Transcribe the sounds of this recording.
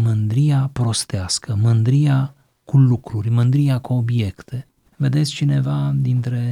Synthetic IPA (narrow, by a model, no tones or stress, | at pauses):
mɨnd̪ɾijapɾo̞st̪easkəmɨnd̪ɾija | kulukɾurʲmɨnd̪ɾijakuo̞bje̞kt̪e̞ | ve̞d̪e̞t̪sʲt͡ʃine̞vad̪int̪ɾe̞